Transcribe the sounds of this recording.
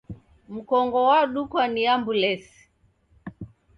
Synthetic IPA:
m̩kɔŋɡɔwaɗukwaniambulɛsi̥

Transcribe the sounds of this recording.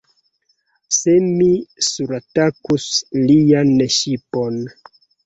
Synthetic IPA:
semisuɾatakuslianeʃipo̞n

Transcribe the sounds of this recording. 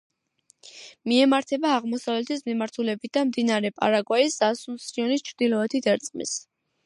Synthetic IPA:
miɛmaɾt̪ʰɛbaːʁmɔsavlɛt̪ʰismimaɾt̪ʰulɛbit̪̚ʰd̪̥amd̪inaɾɛpʼa̰ɾaɡwaisdasunsɾiɔnist͡ʃʰɾd̪ilɔɛt̪ʰid̪ɛɾt̪sʼmḭs

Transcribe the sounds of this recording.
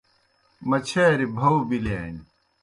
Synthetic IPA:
mɐt͡ɕʰeːɾibʱɐwbilaːn

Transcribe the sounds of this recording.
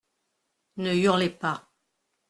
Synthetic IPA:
nəyʁlepa

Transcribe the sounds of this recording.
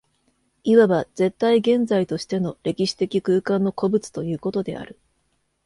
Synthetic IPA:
iβaβaz̥e̞t̪ːaiɡẽ̞nd͡zait̪o̞ɕi̥t̪e̞no̞ɾe̞kʲiɕi̥t̪e̞kʲikɯ̟ːkãnːo̞ko̞bɯ̟t͡sɨ̥t̪o̞jɯ̟ːko̞t̪o̞d̪e̞̰a̰ɾɯ̟

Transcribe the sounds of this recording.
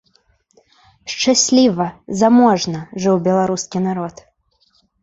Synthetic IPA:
ʂt͡ʂasʲlʲivɐzamɔʐnɐʐɨwbʲɛlˠaɾuskʲinaɾɔt̪

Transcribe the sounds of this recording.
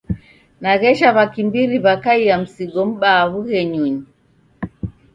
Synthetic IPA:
naɣɛʃaβakimbiɾiβakaiam̩siɡɔm̩ɓaːβuhɛɲuɲi

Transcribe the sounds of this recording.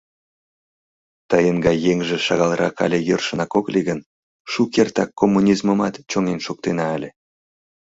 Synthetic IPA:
t̪ɑjənɡɑjeŋʒĕʃɑɣɑlˠɾɑ̰kɑ̰lʲĕjərʃə̆nɑkoklʲiɡən | ʃukʲert̪ɑkːomːunʲizməmɑt̪t͡ɕoŋenʃuk̚t̪enɑːlʲĕ

